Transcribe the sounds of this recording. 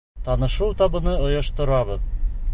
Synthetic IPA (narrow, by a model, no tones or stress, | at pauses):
t̪ɒnɤ̆ʃɤwt̪ɒbɤ̆nɤŏjɤ̆ʃt̪ɤ̆ɾɑβɤð